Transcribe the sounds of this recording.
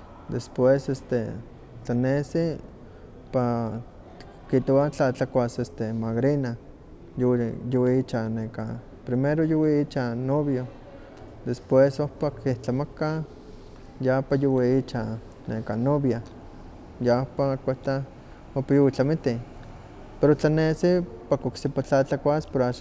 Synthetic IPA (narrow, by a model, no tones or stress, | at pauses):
d̪espwesest̪ḛ | t͡ɬanesi | pa | kit̪oat͡ɬat͡ɬakʷasest̪emaɡɾina | jwjowiit͡ʃaneka | pɾimeɾojuwiit͡ʃanoβjo | d̪espwesohpakiht͡ɬamaka | japajowiit͡ʃa | nekanoβja | japakʷeht̪a | ohpajowit͡ɬamit̪i | peɾot͡ɬanesipakoksipat͡ɬat͡ɬakʷaspoɾaʃ